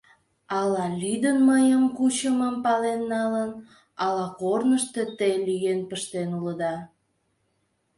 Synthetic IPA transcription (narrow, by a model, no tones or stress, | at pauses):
ɑlɑlʲyd̪ənməjəmkut͡ɕəməmpɑlenːɑlən | ɑlɑkornəʃt̪et̪ejlyjenpəʃt̪enuləd̪ɑ